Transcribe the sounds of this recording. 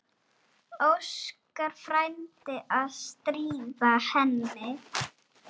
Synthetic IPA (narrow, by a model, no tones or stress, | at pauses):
owskaɾ̥fɾajmt̪ɪʔaðst̪ɾiːvahɛnːɪ